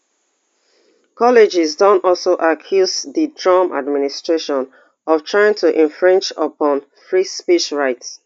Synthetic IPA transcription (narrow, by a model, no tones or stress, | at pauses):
kʰɔlid͡ʒizdɔ̃nɔlsoʔakʰjuzðidɹɔ̃mʔa̰dministɹeʃɔ̃n | ɔftʰɹ̥aɪɪ̃ŋtʰuʔɛ̃ɱfɹɛ̃nd͡ʒəpɔ̃n | fɹispiʃɹaɪts